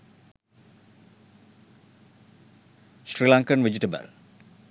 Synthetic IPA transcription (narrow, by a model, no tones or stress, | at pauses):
sɾilaŋkənʋed͡ʒiʈəbə̰l